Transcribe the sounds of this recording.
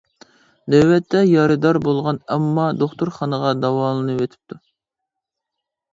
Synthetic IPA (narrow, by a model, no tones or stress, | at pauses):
d̪ɛwːɛt̪ʰːɛjɑɾɨd̪ɑɾbolˠʁɑnɛmːɑd̪oχt̪uɾχɑnəʁɑd̪ɑwɑːlˠɨnɨwet̪ʰɪ̥p̚t̪ʰu